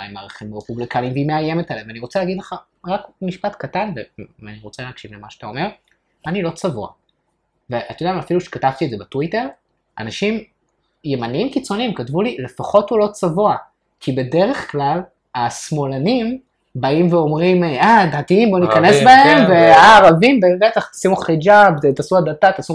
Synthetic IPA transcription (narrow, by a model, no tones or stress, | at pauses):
a̰imaːʁaχimʁepublikaniimveimeaje̞metalevaniʁo̞t͡saleaːɡid̪leχa | ʁakmiʃpatkatanveaniʁo̞t͡seleakʃivlemaʃatao̞me̞ʁ | anilo̞t͡savua̰ | veʔat̪jodaemafiluʃe̥katavt̪iedzebetwite̞ʁ | ʔa̰naʃim | je̞manimkit͡so̞niimkatvulile̞faχo̞thulo̞t͡savua | kʰibe̞de̞ʁe̞χklal | asmo̞lanim | baimveo̞mʁimeadatiimbonikanesbahemveaaːʁavimbebet̪aχtasimuχid͡ʒavtetasuad̪atat̪asu